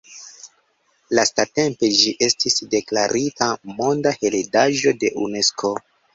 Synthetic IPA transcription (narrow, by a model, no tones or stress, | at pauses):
lastate̞mpe̞d͡ʒiʔe̞stisde̞klaɾʔitamo̞ndahe̞ledaʒo̞de̞ʔune̞skʰo̞